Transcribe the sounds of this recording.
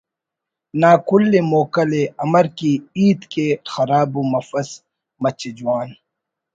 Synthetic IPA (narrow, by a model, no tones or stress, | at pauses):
naːkʊlːemoːkɐleɐmɐɾkiiːd̪kexɐɾaːbumɐfɐs | mɐt͡ɕed͡ʒuwaːn